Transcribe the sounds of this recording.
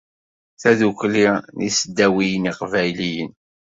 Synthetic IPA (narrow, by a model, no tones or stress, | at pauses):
θæðuklinisəd̪ːæwijəniqvæjlijən